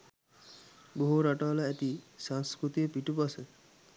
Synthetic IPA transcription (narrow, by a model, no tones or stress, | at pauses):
boɦuɾaʈaːlaæt̪isaŋskɾut̪iəpiʈupasə